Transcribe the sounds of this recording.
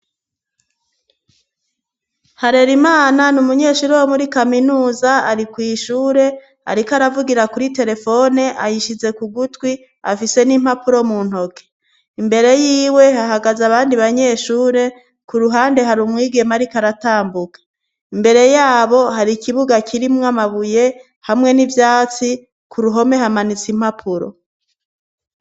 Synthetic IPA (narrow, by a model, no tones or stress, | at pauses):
haɾe̞ɾimaːnanumuɲe̞ːʃuːɾewomuɾikaminuːzaaɾikwiːʃuːɾe̞ | a̰ɾikaɾavuɡiɾakuɾite̞ɾe̞fo̞ne̞ʔajiʃize̞kuɡutwi | a̰fise̞nim̥hapuɾo̞mun̥ho̞ke̥ | imbe̞ɾe̞jiːwe̞haɦaɡazaβaːndiβaɲe̞ːʃuːɾe̞ | kuɾuɦaːnde̞ɦaɾumŋiːɡe̞maɾikaɾataːmbukḁ | imbe̞ɾe̞jaːβo̞ɦaɾikʰiβuɡakʰiɾimŋamaβuje̞ | hamŋe̞nivjaːt͡si | kuɾuɦo̞me̞hamanit͡sim̥hapʰuɾo̰